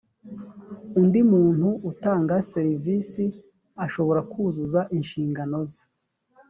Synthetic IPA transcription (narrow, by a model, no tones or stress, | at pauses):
undimuːn̥huʔutaːŋɡaseɾiviːsi | aʃo̞βo̞ɾakʰuːzuzaʔinʃiːŋɡano̞zi̥